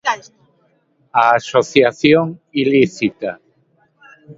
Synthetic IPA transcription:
aːsoθjaθjoŋiliθit̪a

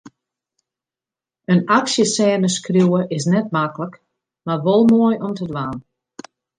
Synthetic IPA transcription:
ənaksjəsɛːnəskrjuwəʔɪs̬nɛt̚maklək | marʋolˠmoəjʔɔmtədʋaːn

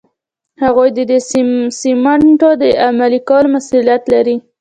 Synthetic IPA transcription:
haɣojd̪əd̪əsimaɳʈod̪əamalikɑlmasulijat̪laɾi

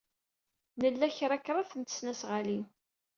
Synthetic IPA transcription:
nəlːæçɾˤækːɾˤɑθənt̪ə̥snæsʁalin

